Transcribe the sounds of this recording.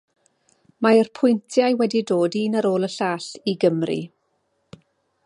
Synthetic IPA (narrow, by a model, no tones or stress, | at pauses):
maərpʰʊjntʰjajwɛdidoːdiːnəɾoːlˠəɬaːɬiɡəmrḭ